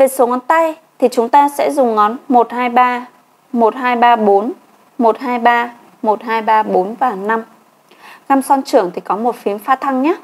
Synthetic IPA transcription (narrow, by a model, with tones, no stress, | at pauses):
ve˨˩so˨˦ŋɔ˨˦nt̪a˧jt̪ʰi˨˩t͡ɕʊ˨˦ŋ͡mt̪aː˧sɛ̰˧˥zʊ˨˩ŋ͡mŋɔ˨˦nmo˨˩t̚haː˧jɓaː˧ | mo˨˩t̚haː˧jɓaː˧ɓo˨˦n | mo˨˩t̚ɦaː˧jɓaː˧ | mo˨˩t̚haː˧jɓaː˧ɓo˨˦nvaː˨˩na˧m | ŋa˧msɔ˧nt͡ɕɨ˧˩əŋt̪ʰi˨˩kɔ˨˦mo˨˩t̚fi˨˦ənfaː˧t̪ʰa˧ŋɲaː˨˦˥